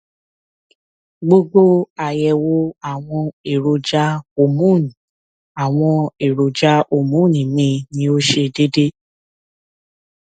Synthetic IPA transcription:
ɡ͡bo˦ɡ͡bo˦a˨jɛ˨wo˧˦a˦˨w̃ɔ̃˧e˨ɾo˨d͡ʒa˦o˧˨mũ˦˨nĩ˨ | a˨w̃ɔ̃˧e˨ɾo˨d͡ʒa˦ʔo˨mũ˦˨nĩ˨mĩ˧˦nĩ˧˦o˦ʃe˧de˦de˦

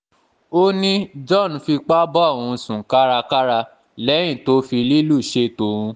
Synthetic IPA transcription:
o˦nĩ˦d͡ʒɔ˦˨ñ̩˨fi˧k͡pa˦bɔ˦a˦˨wũ˧sũ˨ka˦ɾa˧ka˦ɾa˧ | lɛ˨˦j̃ĩ˦˨to˨˦fi˧li˦lu˦˨ʃe˧˦to˧˦ɾũ˧

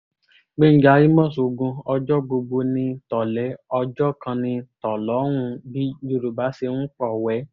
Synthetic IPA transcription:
ɡ͡be˦n̩˦d͡ʒa˧˦ji˦mɔ̃˦˨so˨ɡũ˧ɔ˧d͡ʒɔ˦bo˧bo˧nĩ˧tɔ˨lɛ˨˦ɔ˧d͡ʒɔ˦kã˧nĩ˧tɔ˨lɔ˨˦w̃ũ˧bi˦d͡ʒo˦˨ɾo˨ba˨˦se˧nũ˦k͡pɔ˦˨wɛ˨˦

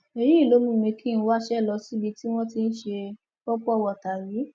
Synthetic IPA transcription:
e˧ɾi˦i˦˨lo˨˦mũ˦˨mĩ˧kʰĩ˦˨ñ̩˦wa˦ʃɛ˦˨lɔ˧si˦bi˧ti˦w̃ɔ̃˦ti˧n̩˦ʃe˧ | kɔ˦k͡pɔ˦˨wɔ˨ta˨ɾi˨˦

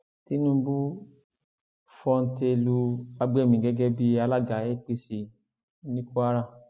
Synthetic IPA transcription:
ti˦nũ˦bu˦ | fɔ˧n̩˦te˧lu˧a˧ɡ͡bɛ˦˨mĩ˨ɡɛ˨˦ɡɛ˦bi˦a˧la˦˨ɡa˨e˦k͡pe˧˦si˧˦ | nĩ˦ku˦a˦ɾa˦˨

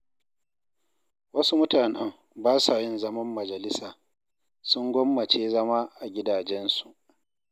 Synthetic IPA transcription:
wɐ˦su˦mʊ˦taː˨nɐ˦m | baː˦saː˨jɪ˦nzɐ˦mɐ˦mːɐ˨d͡ʒɐ˨lɪ˦saː˨ | sʊ˦ŋɡʷɔ˦mːɐ˨t͡ʃeː˦zɐ˦maː˦ʔa˨ɡʲɪ˦daː˨d͡ʒɛ˦nsu˨ʔ

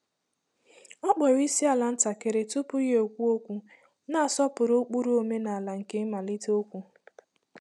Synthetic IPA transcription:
ɔ˦k͡pɔ˨ɾi˦si˦a˨la˨n̩˦ta˨ke˨ɾe˨tʊ˦pʊ˦je˦o˨kʷu˦o˦kʷu˦ | na˦˨a˨sɔ˦pʊ˨ɾo˦k͡pu˦ɾu˦o˨me˦na˨a˨la˨ŋ̩˨ke˦ma˨li˦to˦kʷu˦

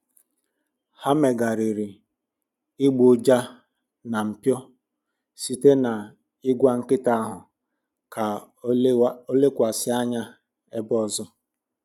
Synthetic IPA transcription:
ha˦me˨ɡa˨ɾi˨ɾi˨ | ɪ˦ɡ͡bo˨d͡ʒa˦ | na˨m̩˨pjɔ˦ | si˦te˦na˨ | ɪ˦ɡʷa˦ŋ̩˦kɪ˦ta˦a˦ɦʊ˨ | kʰa˨ | o˦le˦kʷa˨sɪ˦a˦ɲa˦ | e˦bɔ˦zʊ˦

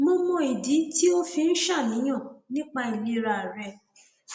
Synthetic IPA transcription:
mo˧mɔ̃˧i˨di˨˦ti˦o˦fi˧n̩˦ʃa˦˨nĩ˨˦j̃ã˦˨nĩ˦k͡pa˧i˨le˧ɾa˧˨ɾɛ˧

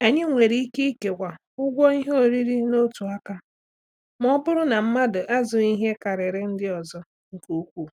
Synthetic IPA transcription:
a˨ɲɪ˦ŋʷe˨ɾi˦i˦ke˦i˦ke˨kʷa˨ | ʊ˦ɡʷɔ˦i˦ɦo˨ɾi˦ɾi˦no˦tu˨a˦ka˦ | m˦ɔ˦bʊ˦ɾʊ˦na˨m̩˦ma˦dʊ˨ʔa˦zʊ˨i˦ɦe˦ka˨ɾɪ˨ɾɪ˦n̩˦dɪ˦ɔ˨zɔ˦ | ŋ̩˨ku˦kʷu˦˨

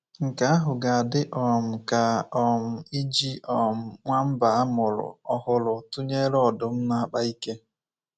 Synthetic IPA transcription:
ŋ̩˨ka˨˦a˦ɦʊ˨ɡa˨a˨dɪ˦ʔɔ˨m̩˨ka˨ɔ˨m̩˨i˦d͡ʒi˦ʔɔ˨m̩˨ŋʷa˦m̩˦ba˨a˦mʊ˨ɾʊ̰˨ɔ˨hʊ˨lʊ˨tʊ˦ɲe˦ɾɔ˦dʊ˨m̩˦na˦a˦k͡pa˦i˦ke˦

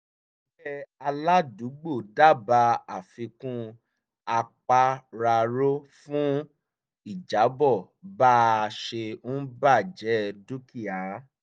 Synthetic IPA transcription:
bɛ˦a˧la˦du˨˦ɡ͡bo˦˨da˦˨ba˧a˨fĩ˧kũ˦ | a˧k͡pa˧ɾa˧ɾo˦fũ˦ | i˦˨d͡ʒa˨˦bɔ˦˨ | ba˦˧ʃe˧n̩ũ˦ba˦˨d͡ʒɛ˨˦du˦ki˦˨a˨˦

